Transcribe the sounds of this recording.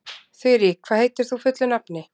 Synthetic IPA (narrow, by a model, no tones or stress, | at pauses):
θœɾjikʰvaːðhejt̪ɪɾ̥θufʏt̪lʏnapnɪ